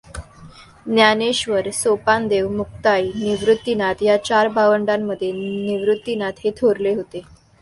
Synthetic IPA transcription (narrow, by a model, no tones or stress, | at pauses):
njaneɕʋəɾsopand̪eʋmuk̚t̪ajniʋɾut̪ːinat̪jat͡ɕaɾbʱaʋəɳɖamːəd̪ʱːjeniʋɾut̪ːinat̪ɦet̪ʰoɾleɦot̪e